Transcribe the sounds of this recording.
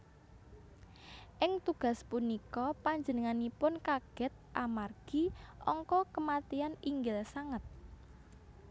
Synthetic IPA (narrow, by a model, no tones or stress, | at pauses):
ʔɪŋt̪uɡ̥ä̤spunikɔpaɲd͡ʒənəŋanipʊnkaɡ̥ɛ̤t̪̚ʔamarɡ̥iɔ̰ŋkɔkəmat̪ianiŋɡɪlsaŋət̪̚